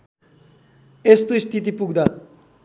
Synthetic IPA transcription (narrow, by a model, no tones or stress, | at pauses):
est̪ost̪ʰit̪ipuɡd̪a